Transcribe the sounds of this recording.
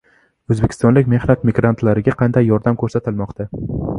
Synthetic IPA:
ɵzbekʰʲɪ̥st̪ɒnlɪkʲme̞hnat̪mɪɡɾant̪ʰlaɾɪɡʲaqʰɑnd̪ajːɒɾd̪amkʰɵɾsat̪ʰɪlmɒqt̪ʰa

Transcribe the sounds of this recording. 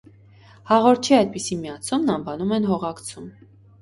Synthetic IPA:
hɑʁɔɾt̪t͡ʃʰiɑjd̪̚pisimjɑt͡sʰumnɑɱvɑnumɛnɦɔʁɑkt͡sʰum

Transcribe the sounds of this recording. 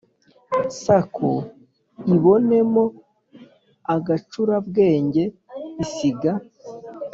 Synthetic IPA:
sakʰo | iβo̞ne̞mo̞ | aɡat͡ʃuɾabɡe̞ːɲɟe̞isiɡa

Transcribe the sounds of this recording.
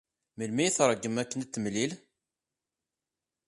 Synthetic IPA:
məlmijiθɾˤəɡːəmækːənt̪ːəmlil

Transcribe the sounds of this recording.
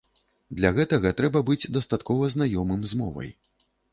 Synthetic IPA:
d̪lʲaɣɛt̪ɐɣɐt̪ɾɛbɐbɨd͡zʲd̪ɐst̪at̪kɔvɐznajɔmɨmzmɔ̰vɐ̰j

